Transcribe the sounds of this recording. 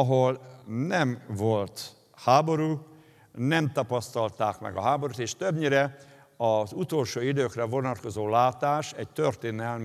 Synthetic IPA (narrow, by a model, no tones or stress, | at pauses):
ɒɦolnɛmvo̞lt̪ | haːbo̞ɾuː | nɛmt̪ɒpɒst̪ɒlt̪aːkmɛ̰ɡɒ̰ɦaːbo̞ɾut̪eːʃt̪øbɲiɾɛ | ɒzut̪o̞lʃoːid̪øːkrɛvo̞nɒt̪̚ko̞zoːlaːt̪aːʃɛɟt̪ørt̪eːnɛlm